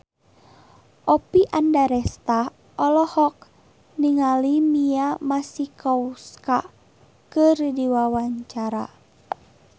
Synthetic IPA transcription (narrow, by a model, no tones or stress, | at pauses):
ʔɔpiʔandaɾɛst̪a | ʔɔlɔhɔk̚ | niŋalimiamasikʰɔuska | kɨrdiwawaɲt͡ʃaɾa̰